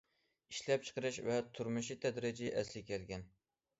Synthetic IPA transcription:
iʃlɛp̚t͡ʃʰə̥qəɾɨʃvɛt̪ʰuɾmɨʃit̪ʰɛd̪ɾɪd͡ʒiʔɛslɪkʲʰɛlɡʲɛn

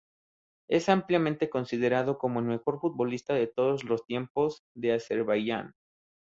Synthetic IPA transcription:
e̞sampljamẽnt̪e̞ko̞nsið̞e̞ɾaðo̞ko̞mo̞elme̞xo̞ɾfut̪̚βo̞list̪aðe̞t̪o̞ðozlo̞st̪je̞mpo̞zðe̞ase̞ɾβaʝa̰n

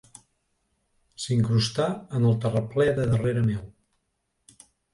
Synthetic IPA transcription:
siŋkɾust̪aənəlˠt̪ərəplɛðəðəreɾəmɛw

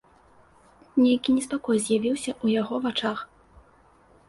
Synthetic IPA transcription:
nʲejkʲinʲɛspakɔjzʲjavʲiwsʲɐʔujaɣɔvat͡ʂax

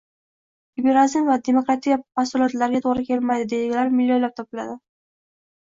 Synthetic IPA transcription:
ibeɾazɪmvad̪e̞mokɾat̪ʰikmasʊlˠɒt̪laɾɡʲat̪ʰoʁɾɪkʲʰe̞lmad̪ɪd̪ejɪɡʲɪlaɾmɪlʲːojlap̚t̪ʰɒpɪla̰d̪ɪ

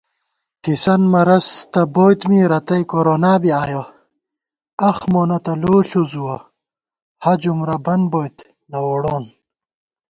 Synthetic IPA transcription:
t̪isɐnmɐɾɐst̪ɐboːjt̪miɾɐt̪ɐjkoɾoːnaːbiaːjo | ɐxmoːnɐt̪ɐloːɬuzuwɐ | hɐd͡ʑumɾɐbɐnboːjt̪ | nɐwoɽoːn

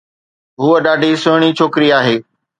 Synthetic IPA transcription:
ɦuəɗaːɖʱisʊːɽ̃it͡ɕʰoːkɪɾiaːɦeː

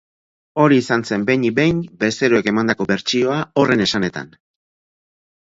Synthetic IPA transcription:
o̞ɾiːsanse̞mbe̞jɲibe̞jnbe̞st̪e̞ɾoe̞ke̞mand̪ako̞βe̞ɾt͡ʃio̞ao̞re̞ne̞sane̞t̪a̰n

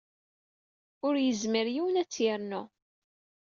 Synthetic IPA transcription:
ʊɾjəzməɾjiwənæt͡sːjɪɾnʊ

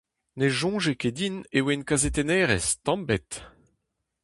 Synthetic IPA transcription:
neʒɔ̃ʒeked̪inewenkazet̪enɛːʁɛst̪ɑ̃bɛt̪

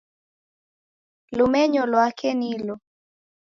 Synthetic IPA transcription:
lʊmɛɲɔlwakenilo

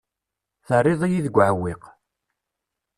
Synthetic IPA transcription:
θərˤːɪðˤijiðəɡʷːʕəwːiq

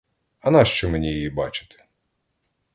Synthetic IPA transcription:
ɐnɑʃt͡ʃɔmenʲijɛjibɑt͡ʃɪ̥t̪ɪ̥

